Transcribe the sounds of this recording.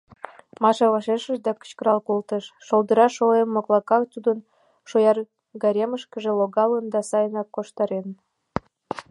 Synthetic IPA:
mɑʃɑβɑʃeʃəʒd̪ɑkə̥t͡ɕkəɾɑlkolt̪əʃːold̪əɾɑʃoemːoklˠɑkɑkt̪ud̪ən | ʃojɑr | ɡɑɾʲeməʃkəʒĕloɣɑlənd̪ɑsɑjənɑkːoʃt̪ɑɾen

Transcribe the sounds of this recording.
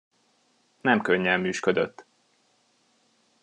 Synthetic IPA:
nɛmkøɲːɛmmːyːʃkød̪øt̪ː

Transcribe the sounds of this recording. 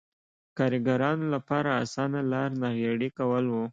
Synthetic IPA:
kɑɾiɡaɾɑnolapɑɾaːsɑnalɑɾnaɣjaɽikawəlwu

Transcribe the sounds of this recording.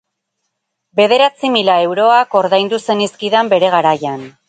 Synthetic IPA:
be̞ð̞e̞ɾat͡similae̞wɾo̞ako̞ɾðajnd̪use̞niskiðambe̞ɾe̞ɣ̞aɾajan

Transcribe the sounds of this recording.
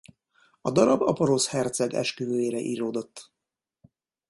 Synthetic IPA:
ɒd̪ɒɾɒbɒpoɾoshɛrt̪sɛɡɛ̰ʃkyvøːjeːɾɛʔḭːɾoːd̪o̞t̪ː

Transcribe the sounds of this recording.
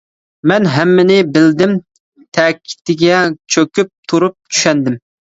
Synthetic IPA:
mɛnɦɛmːɪnɪbɪld̪ɪm | t̪ʰɛkʲʰːi̥t̪ɪɡʲɛt͡ʃʰøkʲyp̚t̪ʰuɾup̚t͡ʃʰy̥ʃɛnd̪ɪm

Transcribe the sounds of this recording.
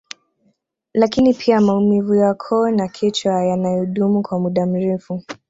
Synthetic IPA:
lakinipʰiamaumivujakʰɔnakʰit͡ʃwajanajɔhuɗumukwamuɗam̩ɾɛfu

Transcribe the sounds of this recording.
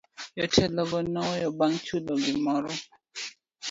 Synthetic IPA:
jɔtʰɛlɔɡɔnɔjɔbaŋt͡ʃulɔɡɪmɔɾɔ

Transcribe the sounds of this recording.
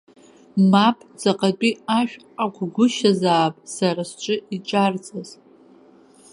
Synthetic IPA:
mapʼd͡zaqʼat͡pʷʼiaʃᶣ | akʷʰɡʷʊʃazaːpʼsaɾasʈ͡ʂʷʼɨiʈ͡ʂʼard͡zʼaz

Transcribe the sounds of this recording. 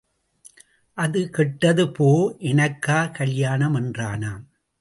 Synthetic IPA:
ʔɐðɯkɛʈːɐðɯpoːʔɛnɐkːaːkɐɭjaːnɐmɛndraːnaː

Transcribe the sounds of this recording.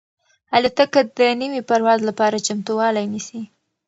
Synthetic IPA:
halut̪akad̪ənəwipaɾwɑzlapɑɾat͡ʃamt̪uwɑlajnisi

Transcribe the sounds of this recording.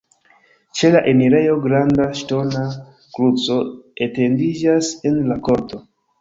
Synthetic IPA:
t͡ʃe̞laʔemiɾe̞jo̞ɡɾandaʃto̞na | kɾut͡so̞ete̞ndid͡ʒase̞nlako̞ɾto̞

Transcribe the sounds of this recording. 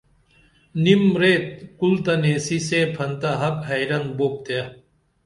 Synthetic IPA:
nimɾeːt̪̚kult̪ɐnesisepʰɐnt̪aɦɐkɦɐjɾɐnboːp̚t̪ja

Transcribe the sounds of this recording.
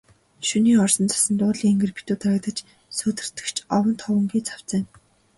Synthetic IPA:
ʃuniːɔrsɞ̆nt͡sʰḁsə̆nt̪ʊːɮiːŋeŋɡɘ̆rpi̥t̪uːt̪ʰaɾə̆k̚t̪ə̆t͡ɕ | soːt̪ɘ̆r̥t̪ɘ̥̆kt͡ɕʰɔwə̆nt̪ʰɔwə̆ŋɡiːt͡sʰḁw̥t͡sə̆ːŋ

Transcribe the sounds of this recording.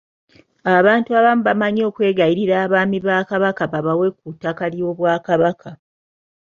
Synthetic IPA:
aβaːntuaβamuβamaɲo̞ːkwe̞ːɡaiɾiɾaːβaːmiβaːkaβakaβaβawe̞k̚utːakaljo̞ːβwaːkaβakʰa

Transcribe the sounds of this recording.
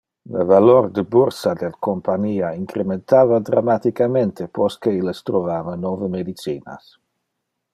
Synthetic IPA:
ləvaloɾd̪əbuɾsad̪elkompaɲiːaiŋkɾement̪aːvad̪ɾamat̪ikament̪epɔskeiləst̪ɾovaːvanɔvəmed̪it͡siːna̰s

